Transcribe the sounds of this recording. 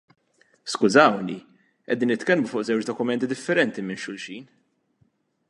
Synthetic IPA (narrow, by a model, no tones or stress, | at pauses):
skʊzɐwni | ʔɛ̰d̪iːnːɪt̪kɛlmufʊːʔzɛwt͡ʃd̪ɔkʊmɛnt̪id̪ɪfːɛɾɛnt̪imɪnʃʊlʃiːn